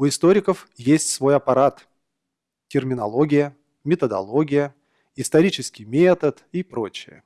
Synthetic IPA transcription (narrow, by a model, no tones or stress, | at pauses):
ʊɪst̪o̞ɾʲɪkəfjesʲtʲsvo̞jɐpɐɾat̪ | tʲɪrmʲɪnɐlˠo̞ɡʲɪjə | mʲɪt̪əd̪ɐ̰lˠo̞ɡʲɪjə | ɪst̪ɐɾʲit͡ɕɪskʲɪjmʲet̪ət̪ipɾo̞̰t͡ɕɪjə̰